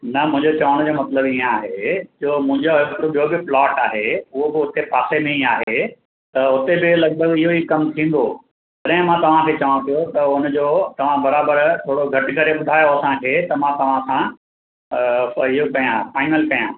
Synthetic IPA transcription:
nɐmʊ̃ɦɪ̃ɲd͡ʑot͡ɕɐʋəɽ̃d͡ʑoːmɐt̪ləbĩːẽaːɦed͡ʑoːmʊ̃ɦɪ̃ɲd͡ʑoɦɪkɾobiobɪplɔːʈaːɦeʊɦobɪʊt̪epaːsemẽiaːɦe | t̪ɐʊt̪ebɪlɐɡ̚bʱəɡɪɦoikɐmt̪ʰĩːn̆d̪o | pɐɗɐ̃ɦɪ̃mãt̪ɐʋ̤ãkʰeːt͡ɕɐʋɽ̃ũpijot̪ɐʊnd͡ʑoːt̪ɐʋ̤ãbɐɾaːbəɾt̪ʰoːɽoɡʱɐʈɪ̆kɐɾeɓʊd̪ʱaːjoɐsãkʰeːt̪ɐmãt̪ɐʋ̤ãsã | ɪɦokɐjãfaːɪnəlkɐjã̰ː

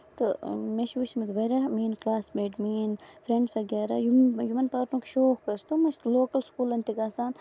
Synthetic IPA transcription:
t̪omeʃuːsimɐt̪ʋɐɾɐmiːnklaːsmeːʈmiːnfɾeɳɖsfɐɡeːɾa̰jujumɐnpaːɾnũːkʃoːkːɐst̪umɐst̪loːkɐlskuːlɐnt̪iɡaːsaːn

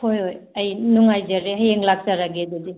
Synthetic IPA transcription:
hojɦojɐjnuŋajzaɾeɦɐjeŋlak̚saɾaɡedudi

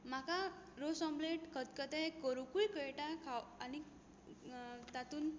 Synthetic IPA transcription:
m̤akaɾosɔ̃mbleʈkʰət̪kət̪ɛ̃kəɾukuɭikəjʈakʰawani | t̪at̪uːn

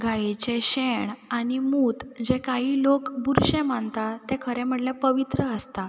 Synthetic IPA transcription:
ɡʱajet͡ɕeɕeɳanimuːt̪d͡ʑekaɦiːlokbuɾɕẽmant̪at̪ekʰəɾɛ̃m̤əʈlapəʋit̪ɾəəst̪a

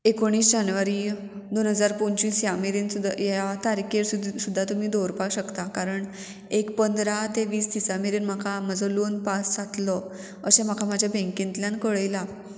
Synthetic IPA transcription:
ekoɽ̃iːsd͡ʑanʋaɾiː | d̪onɦəd͡zaɾpoɳt͡ɕiːsjameɾinud̪jat̪aɾkʰeɾsud̪ʱːat̪um̤iːd̪ʱoɾpaɕəkt̪akaɾəɳ | ekpənd̪ɾat̪eʋiːsd̪isameɾinm̤akʰamad͡zɔlonpasːat̪lɔ | əɕem̤akʰamad͡ʑʱjabɛ̃ŋkĩnt̪ljãnkəɭəjla

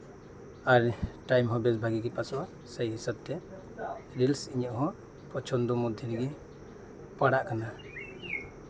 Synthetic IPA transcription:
aɾʈajmɦɔ̃bɛsbʱaɡiɡipasɔʔa | səjɦisab̚t̪ɛ | ɾilsiɲɔʔɦɔ̃ | pɔt͡ʃʰɔnd̪ɔmud̪ʱjɔɾɡi | paɽaʔkana

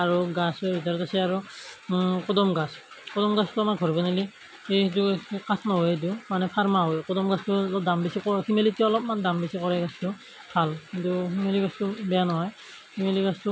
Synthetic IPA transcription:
aɹuɡasɔbʱit̬aɹɔtasɛaɹu | kɔdɔmɡas | kɔdɔmɡastʊamaɡʱɔɹbɔnali | etukasʰnaɦoet̬umanɛpʰaɹmaɦojkɔdɔmɡastʊɔlɔp̚dambisikɔhimelitiaɔlɔpmandambisikɔɹɛɡastʊ | b̥ʱalkintuhimeliɡastʊbɛjanɔɦɔj | himeliɡastʊ

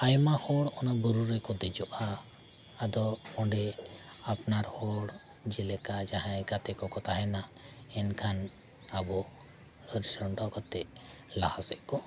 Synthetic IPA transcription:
ajmahɔɽɔnabəɾuɾɛkɔd̪ɛd͡ʒɔʔaː | d̪ɔmɔ̃ɳɖɛ | apnaɾhɔɽ | d͡ʒɛlɛkad͡ʒaɦãɛɡat̪ɛkɔkɔt̪aɦɛnaɛnkʰan | abɔ | əɾsəɳɖɔkɔt̪ɛʔ | lahasɛʔkɔ

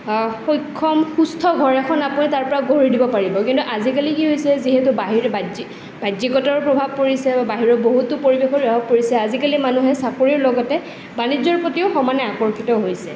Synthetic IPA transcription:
xojkʰːɔmxustʰɔɡʱɔɹɛkʰɔnapunitaɹpɔɹaɡʱoɹidibɔpaɹibɔkintuʔazikalikiɦojsɛziɦɛtubaɦiɹbadi | bajdikɔtɔɹpɹɔbʱab̚koɹisɛbabaɦiɹɔboɦutʊpoɹibexɔɹɔbʱɔb̚poɹisɛazikalimanuɦɛsakoɹiɹlɔɡɔtɛ | banid͡ʒzɔɹpotiʊxɔmanɛakɔɹkʰitɔɦojsɛ̰

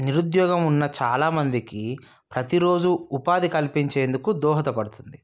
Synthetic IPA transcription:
niɾud̪jɔːɡɐmunːɐt͡ʃaːlaːmɐnd̪iki | pɾɐt̪iɾo̞ːd͡ʒuːpaːd̪ikɐlpiɲt͡ʃe̞ːnd̪ukud̪ɔːɦɐt̪ɐpɐɽut̪und̪i

